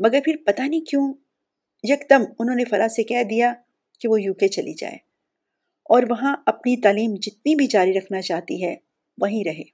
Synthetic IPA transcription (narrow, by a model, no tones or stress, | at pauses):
mɐɡəɾpʰɪɾpɐt̪anɐĩkjõː | jɐkd̪əmʊnɦõːnefɐɾaːsekɛɦd̪ija | keʋojuːket͡ʃɐlḭd͡ʒa̰ːḛː | ɔːɾʋɐɦãɐpnit̪aːliːmd͡ʒɪt̪̚nibʱid͡ʒaːɾiɾɐkʰnat͡ʃaːɦt̪iɦɛ | ʋɐɦĩɾɐɦḛː